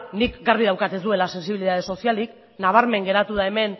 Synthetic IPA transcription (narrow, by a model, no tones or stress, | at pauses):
nikɡaɾβiðawkat̪e̞zd̪ue̞lase̞nsiβiliðaðe̞so̞sialik | naβ̞aɾme̞ŋɡe̞ɾat̪uð̞ae̞me̞n